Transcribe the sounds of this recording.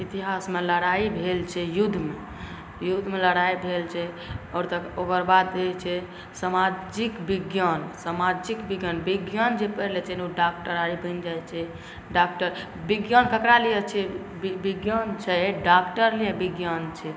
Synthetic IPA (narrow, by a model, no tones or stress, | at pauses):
it̪iɦasmeləɽaibʱelt͡ʃʰɛjud̪ʱːme | jud̪ʱːmeləɽaibʱelt͡ʃʰɛ | ɔɾt̪əkokəɾbad̪et͡ʃʰɛ | səmad͡ʒikbiɡjansəmad͡ʒikbiɡjanbiɡjand͡ʒepəlet͡ʃʰɛnuɖak̚ʈəɾaɾibʱənd͡ʒajt͡ʃʰɛ | ɖak̚ʈəɾ | biɡjankəkɾalijɛt͡ʃʰɛ | bibiɡjant͡ʃʰɛɖakʈəɾliɛbiɡjant͡ʃʰɛ